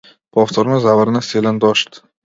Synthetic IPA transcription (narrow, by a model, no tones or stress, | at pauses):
pʰɒft̪ʰoɾmɪzavaɾɪnaseland̪ɒʃt̪